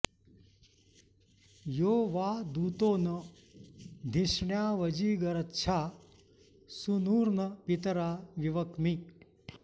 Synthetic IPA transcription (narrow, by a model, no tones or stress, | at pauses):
joːʋaːd̪uːt̪oːnɐ | d̪ʱiʂɳjaːʋɐd͡ʒiːɡɐɾɐtːʃʰaː | sunuːɾnɐpit̪ɐɾaːʋiʋɐkmi